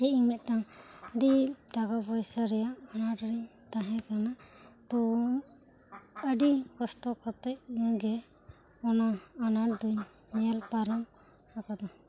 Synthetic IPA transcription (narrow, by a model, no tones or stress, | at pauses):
ɛimɛt̪̚ˀtaŋɖiɖaɡabɔjsaɾɛjaanaʈɾiɲ | t̪aɦɛ̃kanat̪ɔ | əɖikɔsʈɔkɔt̪ɛʔ̚aɡɛ | ɔnaːnad̪uɲ | nɛɛlpaɾam | akad̪ɔ